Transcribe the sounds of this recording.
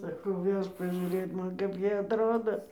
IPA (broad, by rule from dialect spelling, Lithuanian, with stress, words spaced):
sɐˈkɐʊ ˈʋʲɛʃk pɐʒʲuːˈrʲeːt ˈmɐn kɐp ˈjiɛ ɐtˈroːdoː